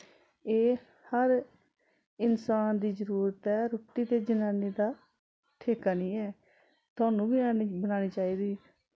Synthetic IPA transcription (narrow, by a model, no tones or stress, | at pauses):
eː | həɾ | ɪnsaːnd̪iːzəɾuːɾət̪ɛːɾoːʈiːt̪eːd͡ʒənaːniːd̪aː | ʈʰeːkaːnĩːɛː | t̪ʊaːnũːbinaːnibənaːñiːt͡ʃaːiːd̪iː